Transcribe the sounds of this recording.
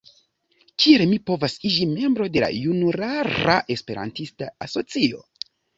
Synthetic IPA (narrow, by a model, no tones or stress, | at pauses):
kielmipo̞vasid͡ʒime̞mbɾo̞de̞la̰junuɾaɾa̰ʔe̞spe̞ɾa̰ntistaaso̞t͡sio̞̰